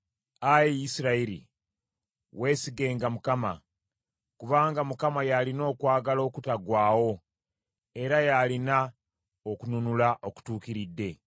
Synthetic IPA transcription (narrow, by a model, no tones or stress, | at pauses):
ajijisiɾaiɾḭ | we̞siɡe̞ːŋɡamukama̰ | kuβaːŋɡamukamajalino̞ːkwaːɡalo̞ːkutaɡwaːwo̞ | e̞ɾajalina | okununulaʔo̞ku̥tuːkiɾidːe̞